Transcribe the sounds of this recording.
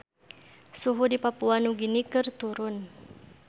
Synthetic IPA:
suɦudipapuanuɡinikɨrt̪uɾʊn

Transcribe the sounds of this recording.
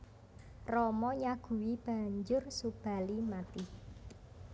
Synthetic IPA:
rɔmɔɲaɡ̥ṳwib̥a̤ɲd͡ʒʊrsub̥a̤limat̪i

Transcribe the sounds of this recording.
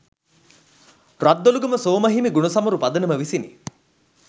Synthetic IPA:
rad̪ːoluɡəməsoːmɐɦimiɡuɳɐsɐmɐɾupad̪ənəməʋisinḭ

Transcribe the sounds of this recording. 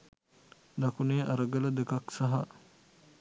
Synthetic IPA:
nakuneːʔaɾəɡələd̪ekaksaɦa

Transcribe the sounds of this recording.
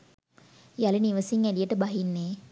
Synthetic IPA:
jaliniʋəsiŋælijəʈəbaɦinːeː

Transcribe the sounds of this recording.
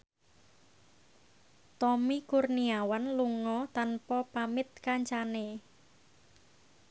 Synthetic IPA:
t̪ɔmikurniawanluŋɔt̪anpɔpamɪt̪̚kaɲt͡ʃane

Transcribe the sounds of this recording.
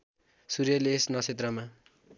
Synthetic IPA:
suɾjʌlesnʌsʰet̪̬rʌma

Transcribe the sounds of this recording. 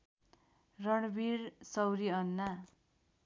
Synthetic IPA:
rʌɳbirsʌwɾiʌnːa

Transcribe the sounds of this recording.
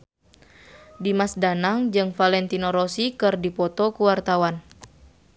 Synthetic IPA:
dimasdanaŋd͡ʒɨŋfalɛnt̪inɔɾɔsikɨrdipɔt̪ɔkuwart̪awan

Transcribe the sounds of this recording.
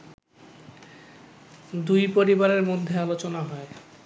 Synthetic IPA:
d̪ujpoɾibaɾeɾmod̪ʱːealot͡ɕonaɦɔe

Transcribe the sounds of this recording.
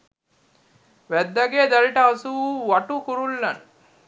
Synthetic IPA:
ʋæd̪ːɐɡeːd̪ɐɾiʈəasuuʋɐʈukuɾulːɐn

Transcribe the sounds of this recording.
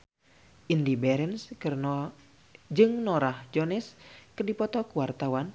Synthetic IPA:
ʔindibɛɾɛnskr | d͡ʒɨŋnɔɾahd͡ʒɔnɛskərdipɔt̪ɔkuwart̪awan

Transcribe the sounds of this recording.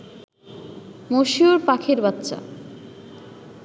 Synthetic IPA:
moʃioɾpakʰeɾbat̪ːɕa̰

